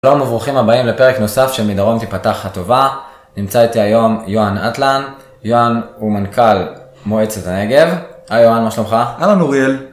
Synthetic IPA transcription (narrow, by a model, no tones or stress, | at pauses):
ʃalomovʁuχimabaimlepe̞ʁekno̞safʃe̞lmidaʁo̞nt̪ipataχhato̞va | nimt͡sait̪iajo̞mjoanat̪lan | joanumankʰal | moe̞t͡setane̞ɡe̞vajoanmaʃlomχaalanuʁiel